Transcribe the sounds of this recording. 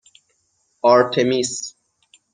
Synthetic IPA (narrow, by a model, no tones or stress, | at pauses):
ɑɾt̪ʰemis